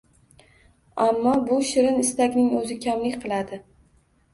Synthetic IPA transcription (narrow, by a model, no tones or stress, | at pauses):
amːɒbʊʃɪɾɪnɪst̪akʲnɪŋɵzɪkʲʰamlɪkʲqʰɨlˠad̪ɪ